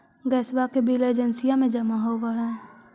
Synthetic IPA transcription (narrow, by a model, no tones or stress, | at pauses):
ɡɛːsbakebileːd͡ʒənsijamẽd͡ʒəmaɦoʋaɦɛː